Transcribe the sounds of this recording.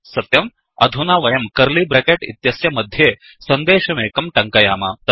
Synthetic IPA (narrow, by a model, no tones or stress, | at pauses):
sɐt̪jɐm | ɐd̪ʱunaːʋɐjɐmkɐɾliːbɾɐkeːʈḭt̪jɐsjɐmɐd̪ʱjeː | sɐnd̪eːʃɐmeːkɐmʈɐŋkɐjaːmɐt̪